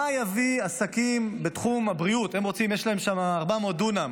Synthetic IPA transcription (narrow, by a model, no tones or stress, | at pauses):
ajaviasakimbe̞t̪χumabʁiute̞mʁo̞t͡simjeʃlae̞mʃamaːʁbamotduna